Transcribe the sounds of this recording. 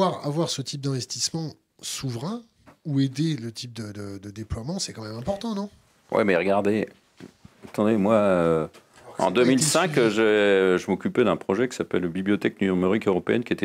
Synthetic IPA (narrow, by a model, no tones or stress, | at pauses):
waʁavwaʁsət̪ip̚d̪ɛ̃vɛst̪ismɑ̃ | suvʁɛ̃ | ued̪elət̪ʰip̚d̪əd̪əd̪əd̪eplwamɑ̃sɛkɑ̃mɛmɛ̃pɔʁt̪ɑ̃nɔ̃ | wʔɛ̰mɛʁəɡaʁd̪e | at̪ɑ̃d̪emwaøɑ̰̃d̪ømilsɛ̃kʒɛʒəmɔkʲypɛd̪ɛ̃pχɔʒɛkʲi̥sapɛlbiblijɔt̪ɛk̚nymeʁikøʁɔpeɛnkʲiet̪ɛ